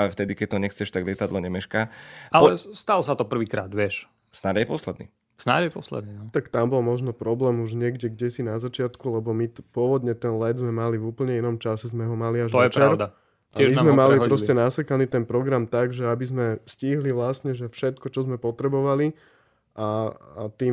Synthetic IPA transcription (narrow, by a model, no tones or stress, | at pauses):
aɛft̪ɛd̪ikɛc̚t̪ɔɲɛxt͡sɛʃt̪aɡlɪɛt̪ad̪lɔɲɛmɛʃkaːalɔɛst̪alɔsat̪ɔpr̩ʋiːkɾa̰ːd̪ʋɪɛʃ | snad̪jɛpɔslɛd̪nḭː | sna̰d̪jɛpɔslɛ̰d̪nit̪akt̪ambɔlmɔʒnɔpɾɔblɛːmuʒɲɪɛɡɟɛɡɟɛsinazat͡ʃɪat̪kulɛbɔmipʊɔʋɔd̪ɲɛt̪ɛnlɛd̪zmɛmalivuːpl̩ɲɛinɔmt͡ʃasɛzmɛɦɔmaliaʒɔjɛt͡ʃɾɛɾd̪a | aɛizamɛmalipɾɔscɛnasɛkanit̪ɛnpɾɔɡɾamt̪aɡʒɛabizmɛsciɦliʋlast̪ɲɛʒɛfʃɛt̪̚kɔt͡ʃɔzmɛpɔt̪ɾɛbɔʋali | ʔaat̪iː